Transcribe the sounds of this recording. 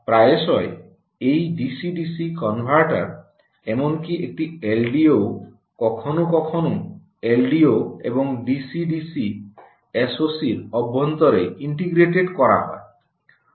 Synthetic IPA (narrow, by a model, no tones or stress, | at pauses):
pɾajesɔe | ejɖisiɖisikɔnbʱaɾʈaɾ | emɔŋkiʔek̚ʈielɖiow | kɔkʰɔnukɔkʰɔnu | elɖioḛbɔŋɖisiɖisi | esosiɾɔbːɔnt̪ɔɾeiɳʈiɡɾeʈeɖkɔɾa̰ɦɔe